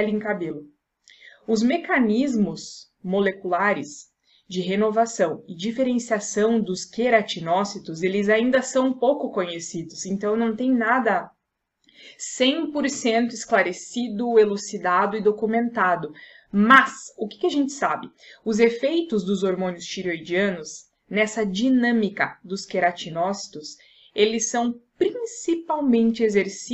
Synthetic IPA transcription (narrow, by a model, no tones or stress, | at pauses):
lɪẽkabelʊ | ʊzmekanizmʊs | molekulaɾɪs | d͡ʒɪɦenovasɐ̃w̃ɪd͡ʒifeɾẽsiasɐ̃w̃d̪ʊskeɾat͡ʃinɔsit̪ʊzelɪzaĩnd̪ɐsɐ̃w̃powkʊkõɲesid̪ʊsẽnt̪ɐ̃w̃nɐ̃w̃t̪ẽj̃nad̪ɐ | sẽj̃poɾsẽnt̪ʊɪsklaɾesid̪ʊelusid̪ad̪ʊɪd̪okumẽnt̪ad̪ʊ | mɐsʊkɪ̥kɪaʒẽnt͡ʃɪ̥sabɪ | ʊzefejt̪ʊzd̪ʊzoɾmõnʊst͡ʃiɾojd͡ʒiɐ̃nʊs | nɛsɐd͡ʒinɐ̃mikɐd̪ʊskeɾat͡ʃinɔsi̥t̪ʊs | elɪsːɐ̃w̃pɾĩsipawmẽnt͡ʃɪezeɾs